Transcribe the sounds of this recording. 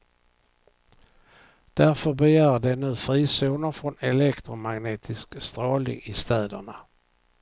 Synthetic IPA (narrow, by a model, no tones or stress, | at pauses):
d̪̥æɾfœɾbɛjæːɾɖɛnʉ̟ːfɾiːsuːnəfɾɔnɛlɛkt̪ɾʊmaɡneːt̪ʰɪskst̪ɾoːlɪ̰ŋɪst̪ɛːd̪əɳa